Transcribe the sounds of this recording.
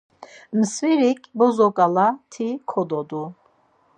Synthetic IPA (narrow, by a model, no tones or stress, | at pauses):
msviɾikʰʼbɔzɔkʼalat̪ʰikʰɔd̪ɔd̪u